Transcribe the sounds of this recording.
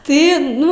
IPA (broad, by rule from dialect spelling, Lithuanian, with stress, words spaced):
ˈtɐɪ ˈnʊ